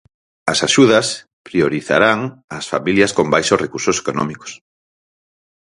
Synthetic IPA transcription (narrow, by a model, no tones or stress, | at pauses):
ɐsaʃuðɐs | pɾioɾiθa̰ɾaŋɐsfa̰miljɐskombajʃosrekuɾsose̥konɔ̰miko̥s